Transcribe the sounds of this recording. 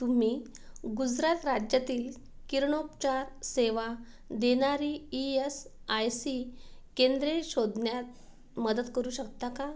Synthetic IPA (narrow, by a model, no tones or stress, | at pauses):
t̪um̤iː | ɡud͡zɾat̪ɾad͡ʑjat̪iːl | kiɾɳopt͡ɕaɾseʋa | d̪eñaɾiies | ajsikẽnd̪ɾeɕod̪ɳjat̪ | məd̪ət̪kəɾuːɕəkt̪aka